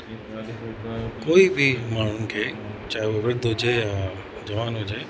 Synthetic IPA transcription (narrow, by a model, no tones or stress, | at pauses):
koibʱimaɭunkʰet͡ʃaɦeoʋɪd̪ʱod͡ʒeja | d͡ʒəʋanod͡ʒe